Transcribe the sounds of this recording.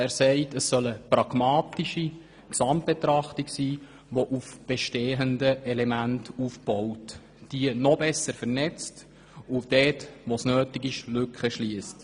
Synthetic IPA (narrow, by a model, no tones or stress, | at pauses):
æːɾsɛɪtəsːœləpɾɑɡ̥mɑːtiʃi | ksɑmt̚b̥etɾɑχtiksiː | ʋoʔufb̥ɛʃteːəndəɛlemæntufb̥ɔwt | d̥iənɔbɛsəɾfəɾnɛt͡st | ʊd̥ɛːtʋosnøːtɪkɪʃlʏkχəʃliːəst